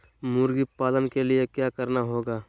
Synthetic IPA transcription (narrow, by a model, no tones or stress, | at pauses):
muːɾɡipaːlənkeliekjaːkɐɾnaɦoːɡaː